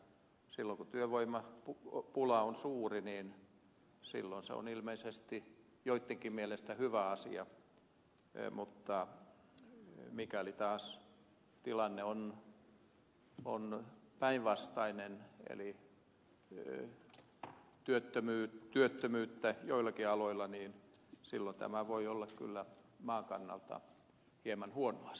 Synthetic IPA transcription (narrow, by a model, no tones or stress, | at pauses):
silːoŋkut̪yøʋoimɑpupulɑonsuːriniːn | sḭlːonsḛo̰nilmeisest̪i | joit̪ːeŋkimielest̪æhyʋæɑsḭɑ | mut̪ːɑ | mikælit̪ɑːs | t̪ilɑnːeon | o̰npæiʋʋɑst̪ɑinenḛli | t̪yøt̪ːømyːt̪yøt̪ːømyːt̪ːæjoilːˑɑkiɑloilːˑɑniːnsilːont̪æ̰mæʋoiolːɑkky̰lːæ | mɑːŋkɑ̰nːɑ̰lt̪ɑ̰ | hiemɑnhuonoɑs